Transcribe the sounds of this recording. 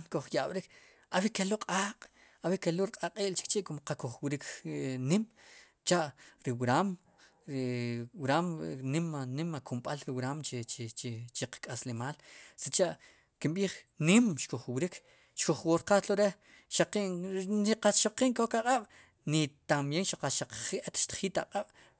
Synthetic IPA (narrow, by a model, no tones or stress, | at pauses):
nkoχjaɓ̥ɾik | awikeloqʼaːqʼ | awikeloɾiqʼaqʼiːʔlt͡ʃi̥k̚t͡ʃiʔkumqakuχwɾiknim | t͡ʃaʔɾiwɾam | ɾiwɾaːmnimnimakumɓalɾiwɾaːmt͡ʃet͡ʃt͡ʃt͡ʃeqḁkʼaslemaːlsit͡ʃaʔ | kimɓiːχnimʃkoχwɾikʰ | ʃkoχwoɾqat̪loɾe | ʃaqiŋiqaʃoqiːŋkokaqʼaɓ̥ | nit̪amjeŋʃaqaʃaq͡χʔet̪ʃt̪ḁχiːt̪aqʼaɓ̥